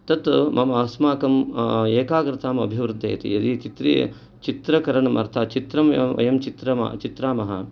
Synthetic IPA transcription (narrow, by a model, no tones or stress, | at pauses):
t̪ɐt̪mʔɐmaːsmaːkɐmeːkaːɡɾɪt̪ʰaːmɐ̰bʱiʋɾud̪ʱːeːt̪ḭɐd̪it͡ʃit̪ɾḭ | t͡ʃit̪ɾɐkɐɾɐɳɐmɐɾt̪ʰɐt͡ʃit̪ɾɐmɐʋɐ̰jɐmt͡ʃit̪ɾɐmɐ̰t͡ʃit̪ɾaːmɐɦɐ̰